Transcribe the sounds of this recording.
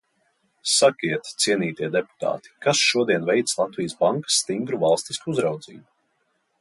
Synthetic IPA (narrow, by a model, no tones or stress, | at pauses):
sakʲiɛt̪t̪siɛniːt̪iɛd̪epu̥t̪a̰ːt̪i̥kasʃuɔd̪iɛnvɛjt̪slˠat̪vʲijəsbaŋkḁsːt̪iŋɡɾuvalˠst̪iskuuzɾawd̪zḭːbu